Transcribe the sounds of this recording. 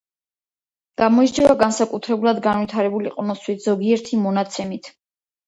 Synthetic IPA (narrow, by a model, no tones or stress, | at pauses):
ɡ̥amɔid͡ʒɛvaɡansakʼut̪ʰɾɛbulˠad̪ɡanvit̪ʰaɾɛbuliqʼnɔswit̪ʰz̥ɔɡiɛɾt̪ʰimɔnat̪sʰɛmit̪ʰ